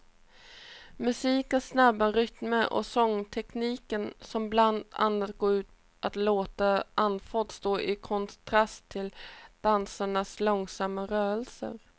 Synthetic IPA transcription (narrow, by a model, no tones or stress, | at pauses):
mɵsiːkənsnabːaɾʏt̪məʔɔ̰sɔŋːt̪ʰɛkniːkənsɔmbland̪a̰nːat̪ɡoːʉ̟ːt̪ | ʔat̪loːt̪aʔanfɔt̪st̪oːʔɪkʰɔnt̪ʰɾast̪ʰːɪld̪̥ansaɳaslɔŋsamːaɾœːɾəlsə̰ɾ